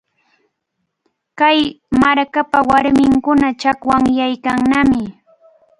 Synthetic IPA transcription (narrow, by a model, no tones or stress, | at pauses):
kaj | maɾkapawaɾmɪŋkʊnat͡ʃakwaŋjajkaŋnamɪ